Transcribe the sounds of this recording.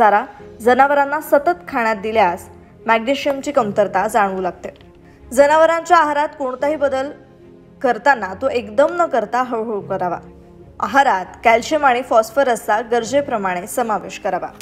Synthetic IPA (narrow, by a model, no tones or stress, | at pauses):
aɾad͡zənaʋəɾanːasət̪ət̪kʰaɽ̃jat̪̚d̪iljas | mæɡniɕiəmt͡ɕiːkəmt̪əɾt̪ad͡zaɽ̃ʋuːlaɡ̚t̪e | d͡zənaʋəɾãɲt͡ɕjaːɦaɾat̪koɳ̃t̪aɦiːbəd̪əl | kəɾt̪anːat̪oʔekd̪əmnəkəɾt̪aɦəɭɦokəɾaʋa̰ | a̰ɦaɾat̪kælɕemaɽ̃ifɔsfəɾəsaɡəɾd͡ʑepɾəmaɽ̃esəmaʋeɕkəɾaʋa̰